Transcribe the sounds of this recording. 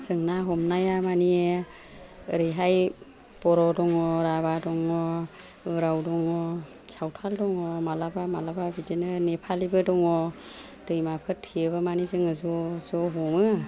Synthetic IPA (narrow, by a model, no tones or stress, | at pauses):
z̥ɯŋnaɦɔmnajamanie | ɯɾɯjɦaj | b̥ɔɾɔdɔŋɔɾaβadɔŋɔ | ɯɾawdɔŋɔ | sawtʰaldɔŋɔmalabamalababidinɯnepʰalibɯdɔŋɔ | d̥ɯjmapʰɯtʰiɯbɯmanizɯŋɯzɔzɔɦɔmɯ